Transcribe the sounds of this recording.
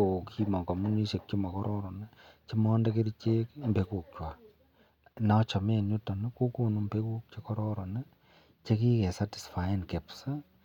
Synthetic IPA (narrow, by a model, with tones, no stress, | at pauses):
o˨kʰi˦ma˨ko˨mu˦ni˦ʃe˨k̚t͡ʃi˦ma˨kɔ˦ɾʔɔ˦ɾɔ˨nɛ˦t͡ʃi˦mɔ˦ndɛ˦ke˦ɾi˦t͡ʃe˦kmbe˨˦ku˨k̚t͡ʃwa˨ | na˦t͡ʃɔ˨me˦˨nu˦tɔ˨ne˦ku˦ko˦nu˨mbe˦ku˦k̚t͡ʃe˨kɔ˦ɾɔ˦ɾɔ˨nɛ˦ | t͡ʃe˦ki˦kɛ˨sa˦ti̥˨sfaɪ˦nke˨psa˦